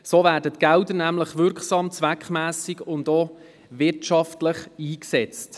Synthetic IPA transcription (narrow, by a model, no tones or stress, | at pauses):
soːvæːɾdətɡ̥ældənæmləχʋʏɾksɑmt͡sʋækχmæːsiɡʊndo | vɪrtʃɑftləχiːksɛt͡st